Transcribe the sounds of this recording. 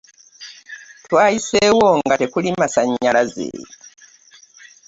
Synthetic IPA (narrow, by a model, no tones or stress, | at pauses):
twaːisewoŋɡatekulimasaɲːalazḛːji